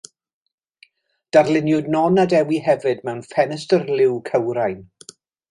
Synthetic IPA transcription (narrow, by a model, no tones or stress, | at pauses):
d̥arlɪnjʊdnɔnadɛwiɦɛvɨdmɛwnfɛnəstərlɪwkʰəwɾajn